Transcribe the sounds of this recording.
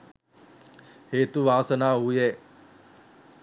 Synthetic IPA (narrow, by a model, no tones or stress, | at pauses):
heːt̪uʋaːsənaːɦuje